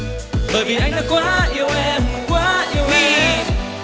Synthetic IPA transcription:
ɓəː˨˩jvi˨˩ʔa˧jŋ̟ɗaː˧kwaː˦ʔi˧əwʔɛ˧mkwaː˦ʔi˧ə˧wɛ˧

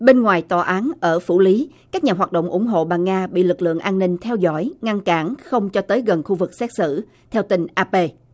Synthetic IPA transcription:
ɓe˧nŋwaː˨˩jt̪ɔ˨˩ʔaː˨˦nʔəː˧˩fṵ˧˩li˨˦ | kaː˦˥k̚ɲaː˨˩ɦwaː˨˩t̚ɗo̰˧˨wŋ͡mʔʊ̰˧˩ŋ͡mɦo̰˧˨ɓaː˨˩ŋaː˧ɓḭ˧˨lɨ˨˩k̚lɨ̰˧˨əŋʔaː˧nːï˧ŋ̟t̪ʰɛ˧wzɔ̰˧˩jŋa˧nkaː˧˩nxə˧wŋ͡mt͡ɕɔ˧t̪əː˨˦jɣə˨˩nxu˧vɨ˨˩k̚sɛ˦˥t̚sɨ̰˧˥ | t̪ʰɛ˧wt̪ï˨˩ŋ̟ʔaː˧pe˧

